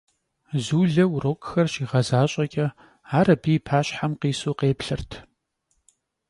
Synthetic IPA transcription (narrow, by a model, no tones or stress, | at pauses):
zuːɮɐwroːkʼxɐrɕiːʁɐzaːɕʼɐkʲʼɐ | aːɾɐbiːpʰaːɕħamqiːsoːqeːpɬɨrtʰ